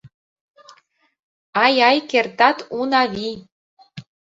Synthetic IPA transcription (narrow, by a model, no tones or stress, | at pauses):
ɑjɑjkert̪ɑt̪unɑβi